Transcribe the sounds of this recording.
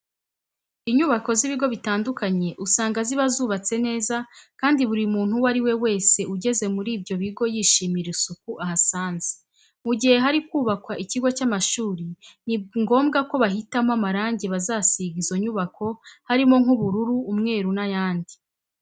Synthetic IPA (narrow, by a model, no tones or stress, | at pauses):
iɲuβako̞ziβiɡo̞βitaːndukʰaɲe̞ʔusaːŋɡaziβazuːβat͡se̞ne̞ːzakaːndiβuɾimuːn̥huwaɾiwe̞we̞ːse̞uɟe̞ze̞muɾiːbɟo̞βiɡo̞jiːʃiːmiɾisuk̚uʔahasaːnze̥ | muɟihe̞ɦaɾikuːβakwaʔiciɡo̞camaʃuːɾiniŋɡo̞ːmɡako̞βaɦitamamaɾaːɲɟe̞βazaːsiɡizo̞ɲuβako̞haɾimo̞ŋhuβuɾuɾuːmŋe̞ːɾunajaːndi